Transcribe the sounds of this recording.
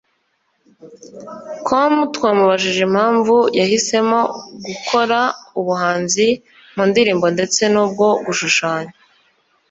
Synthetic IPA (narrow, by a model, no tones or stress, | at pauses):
kʰomutwaːmuβaʒiʒem̥haːɱvujahise̞mo̞ɡukʰo̞ɾauβuɦaːnzi | muːndiɾiːmbo̞nde̞t͡se̞nuːb̚ɡo̞ɡuʃuʃaːɲa